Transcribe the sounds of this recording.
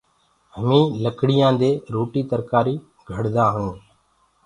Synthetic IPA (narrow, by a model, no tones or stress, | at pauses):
ɦəmĩːləkɽɪjãːd̪eːɾoːʈiːt̪əɾkaːɾiː | ɡʱəɽd̪aːɦəɳũː